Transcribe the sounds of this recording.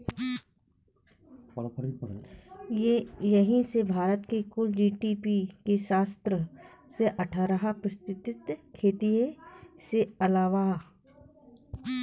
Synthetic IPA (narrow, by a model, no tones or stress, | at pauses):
pɐɽʰəɾipɽ | jɐɦĩsebʱaːɾət̪kekʊld͡ʒiːʈipikeʃaːst̪ɾəseʔɐʈʰaɾəɦapɾəst̪ɪt̪ɪt̪kʰeːt̪ieseɐlaːʋa